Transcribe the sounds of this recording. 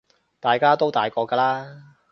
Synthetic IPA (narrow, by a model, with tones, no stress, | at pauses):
t̪aː˨jkaː˥t̪o˥wt̪aː˨˩jkɔː˧kaː˧laː˥